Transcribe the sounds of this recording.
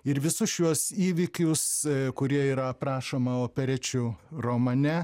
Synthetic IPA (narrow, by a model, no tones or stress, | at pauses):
ɪɾʋʲɪsʊsjuɔsiːʋʲɪkʲʊskʊɾʲiɛiːɾɐɐpɾɑːʃoːmɐoːpʲɛɾʲɛt͡ʃʲʊromɐnʲɛ